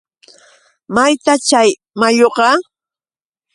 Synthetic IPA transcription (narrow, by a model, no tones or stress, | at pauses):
majt̪at͡ʃaj | maʎoqɑ